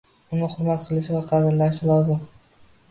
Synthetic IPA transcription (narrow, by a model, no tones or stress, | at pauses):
ʊnɪχʊɾmat̪̚qʰɨlˠɪʃvaqʰɑd̪ɪɾlanɪʃɪlˠɒzɪm